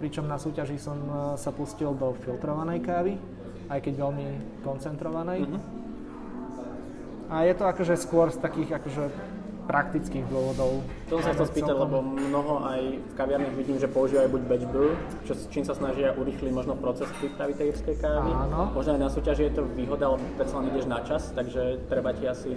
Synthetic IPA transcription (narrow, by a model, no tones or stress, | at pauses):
pɾit͡ʃɔmnasuːcaʒisɔmsapuscild̪ɔfilˠt̪ɾɔʋanɛjkaːʋi | ajkɛɟʋɛlmikɔnt͡sɛnt̪ɾɔʋanɛjɦ | ajɛt̪ɔakɔʒɛskʊɔɾst̪akiːɣakɔʒɛ | pɾakt̪it͡skiːɣd̪ʊɔʋɔd̪ɔʊt̪ɔsɔmsaxt̪ɛlspiːaɟlɛbɔmmnɔɦɔʔajfkaʋɪaɾnaɣʋiɟiːmʒɛpɔuʒiːʋajubuɟʋɛd͡ʒbu | t͡ʃɔst͡ʃiːmsasnaʒɪaʔuɾixliɟmɔʒnɔpɾɔt͡sɛspɾiːpɾaʋit̪ɛjiɾskɛjkaːʋiaːnɔmɔʒnɔajnasuːcaʒijɛt̪ɔʋiːɦɔd̪aalɛbɔpɾɛt̪t͡salɛniɟɛʒnat͡ʃast̪aɡʒɛt̪ɾɛbaciasi